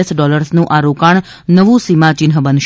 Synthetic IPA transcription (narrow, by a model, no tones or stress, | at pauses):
esɖɔləɾsnũʔaɾokaɳ | nəʋũsimãt͡ʃɪnɦəbənʃ